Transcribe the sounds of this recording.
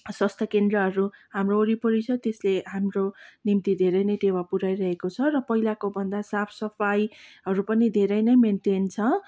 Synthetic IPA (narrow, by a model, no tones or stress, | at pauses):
swʌst̪ʰʌkend̪rʌɦʌɾuɦamroːɾipʌɾit͡sʰʌt̪esleɦamronimt̪id̪ʱeɾʌjnʌjʈewapuɾajɾʌɦekot͡sʰʌrʌpʌɦilakobʱʌnd̪asapʰsʌpʰajɦʌɾupʌnid̪ʱeɾʌjnʌjmenʈent͡sʰʌ